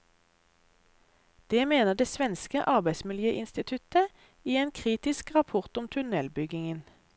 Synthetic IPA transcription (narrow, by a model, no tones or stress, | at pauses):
d̪̥eːmeːnəʁd̪eːsʋɛnskəʔɑʁbæɪsmɪljøːʔɪnst̪ɪt̪ʰʉt̪ə | iːeːnkʰʁiːt̪ɪskʁɑpʰʊʁt̪ʊmt̪ʰʉnɛlbʏɡɪŋən